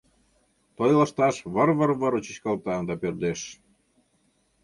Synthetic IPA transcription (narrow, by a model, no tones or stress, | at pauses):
t̪ojʲlə̆ʃt̪ɑʃβəɾβəɾβəɾot͡ɕət͡ɕkɑlt̪ɑnd̪ɑpørd̪eʃ